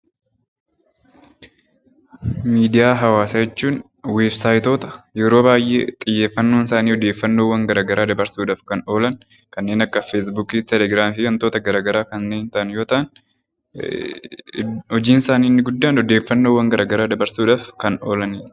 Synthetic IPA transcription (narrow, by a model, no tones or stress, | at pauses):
miːd̪ɪjaːɦɐwaːsɐd͡ʒɛt͡ʃːuːn | weːbsaːjt̪o̞ːt̪ɐ̥jɛɾo̞ːbaːjʔḛːt̪ʼɪjːe̞ːfːɐnːoːnsaːniːɔd̪eːfːɐnːoːwːɐŋɡɐɾaːɡɐɾʔaːd̪ɐbɐɾsuːᶑaːfkɐno̞ːlɐn | kɐnːe̞ːnɐkːɐfeːs̬buːkiːt̪ɛlɛɡɾaːmfiːɐnt̪o̞ːt̪ɐɡɐɾaːɡɐɾaːkɐnːeːnt̪ɐʔɐnjo̞ːt̪ɐʔɐn | ɔd͡ʒiːnsaːniːnːɪɡʊd̪ːaːnɔd̪e̞ːfːɐnːoːwːɐŋɡɐɾʔaːɡɐɾaːd̪ɐbɐɾsuːᶑaːfkɐno̞ːlɐni